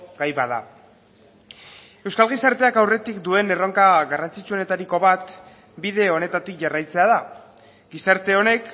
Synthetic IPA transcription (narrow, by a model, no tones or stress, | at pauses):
ɡajβaða̰ | e̞wskalɣ̞isaɾt̪eakawre̞t̪ikd̪ue̞ne̞ro̞ŋkaɣarant͡sit͡ʃuo̞ne̞t̪aɾiko̞βat̪ | bið̞e̞o̞ne̞t̪at̪ikʝarajt͡se̞að̞a | ɡisaɾt̪e̞o̞ne̞k